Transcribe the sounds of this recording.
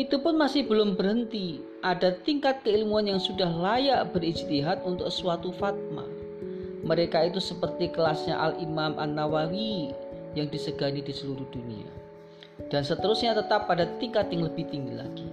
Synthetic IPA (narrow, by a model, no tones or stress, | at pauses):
it̪upʊnmasɪhbəlʊmbərɦənt̪i | ʔadat̪iŋkat̪̚kəilmuanjaŋsudahlajaʔbərid͡ʒt̪iɦat̪unt̪ʊksuat̪ufat̪̚ma̰ | məɾekait̪usəpərt̪ikəlasɲa̰ʔa̰limamʔanːawawijaŋdisəɡanidisəluɾuhd̥unḭa̰ | d̥ansət̪əɾʊsɲat̪ət̪apadat̪iŋkat̪jaŋləbɪht̪iŋɡila̰ɡ̥i